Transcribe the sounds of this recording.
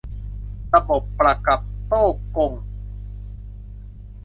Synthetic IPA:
a˦bɔ˨pɾa˨ka˨p̚t̪ɔː˦˨ko˨ŋ

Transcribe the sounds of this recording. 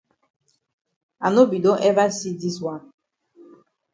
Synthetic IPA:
a˨no˦bi˨dõ˦ʔɛ˦va˦si˦di˦swa˦n

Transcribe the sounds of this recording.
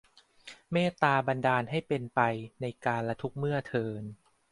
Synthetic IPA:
meː˥˩t̪aː˧ba˧ndaː˧nɦa˥˩jpe˧npa˧jna˧jkaː˧lːa˧t̪ʰu˦˥k̚mɯ˥˩ɐt̪ʰɤː˧n

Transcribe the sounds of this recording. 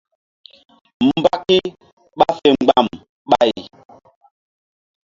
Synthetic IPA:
m̩˨ba˦ki˦ | ɓa˦fɛ˨ŋ͡mɡ͡ba˦˨m | ɓa˦˨i˨

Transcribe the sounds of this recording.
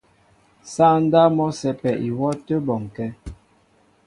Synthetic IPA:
sa˦n̩˦da˦mɔ˦sɛ˨pɛ˨ʔi˨wɔ˦tə˦bɔ˨ŋkɛ˦

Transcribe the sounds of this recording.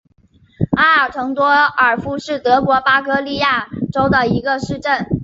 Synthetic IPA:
a˥˩˨ʈ͡ʂʰɤ˧˥ŋt̪wɔ˥ə˞˨˩fu˥ʂɻ̩˥˩t̪ɤ˧˥kwɔ˧˥pa˥kɤ˥li˥˧ja˥˩ʈ͡ʂo˥ʊd̪ə˨i˧˥ɡə˧ʂɻ̩˥˧ʈ͡ʂə˥˩n

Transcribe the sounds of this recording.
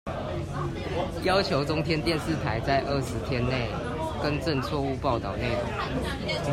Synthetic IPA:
jɑ˦ʊt͡ɕʰjo˧˥ʊt͡sʊ˥˦ŋt̪ʰjɛ˦nt̪jɛ˥˧nsɻ̩˥˨t̪ʰa˨˦ɪt͡sa˥˧ɪʔə˥˩ʂɻ̩˨˦t̪ʰjɛ˦nne˥˨ɪ | kə˦nʈ͡ʂə˥˨nt͡sʰwɔ˥˧u˥˧pɑ˥˨ʊt̪ɑ˥˩ʊne˥˩ɪdə̰˨˦˩

